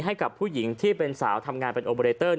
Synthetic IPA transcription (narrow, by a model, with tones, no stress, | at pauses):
ɦa˥˩jka˨˩pʰːuː˥˩ji˩˦ŋt̪ʰiː˥˩pe˧nsa̰ː˩˦wt̪ʰa˧mŋaː˧npe˧nʔoː˧pːɾeː˧t̪ɤː˥˩